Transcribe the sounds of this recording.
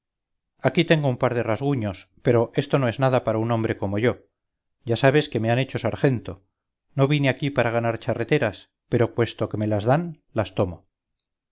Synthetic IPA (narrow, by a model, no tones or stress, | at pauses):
akit̪e̞ŋɡo̞umpaɾðe̞razɣ̞uɲo̞spe̞ɾo̞ʔe̞st̪o̞no̞e̞znaðapaɾauno̞mbɾe̞ko̞mo̞ʝo̞ | ɟ͡ʝasaβ̞e̞ske̞me̞ane̞t͡ʃo̞saɾxe̞nt̪o̞ | no̞β̞ineakipaɾaɣ̞anaɾt͡ʃare̞t̪e̞ɾas | pe̞ɾo̞pwe̞st̪o̞ke̞me̞lazðan | last̪o̞mo̞